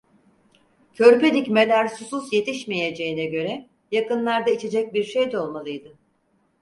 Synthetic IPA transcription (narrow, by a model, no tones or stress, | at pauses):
cʰø̞ɾpe̞d̪icmelʲæɾsufusje̞t̪ʰiʃme̞je̞d͡ʒe̞jinɛɟø̞ɾɛ | jakɯnlˠaɾd̪ait͡ʃʰe̞d͡ʒɛc̚biɾʃejd̪ɛo̞lˠmalˠɯjd̪ɯ